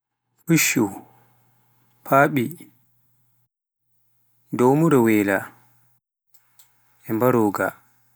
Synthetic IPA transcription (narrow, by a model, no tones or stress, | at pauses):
huʃːu | pʰaːɓi | dowmuɾɛwɛla̰ | ɛmbaɾoːɡa̰